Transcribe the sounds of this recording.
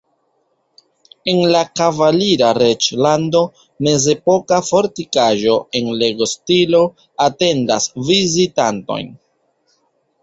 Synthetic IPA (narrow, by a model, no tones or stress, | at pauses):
e̞nlakavaliɾaɾe̞t͡ʃlando̞ | me̞ze̞po̞kafo̞ɾtikaʒo̞e̞nle̞ɡo̞stilo̞ | ate̞nda̰svizitanto̞̰jn